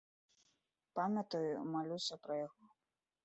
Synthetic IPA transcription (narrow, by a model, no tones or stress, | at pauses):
pamʲɐt̪ɐjumalʲusʲɐpɾɐjaɣɔ